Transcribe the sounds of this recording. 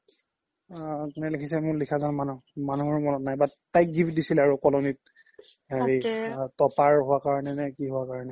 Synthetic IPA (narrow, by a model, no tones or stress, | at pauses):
kunɛlekʰisɛmʊɹlikʰazɔnmanumanuɦɔɹmɔnɔtnajbatajk̚ɡipdisilɛaɹukɔlɔnit̚ | aɹitɔpaɹɦʊwakaɹɔnɛnɛkiɦʊwakaɹɔnɛ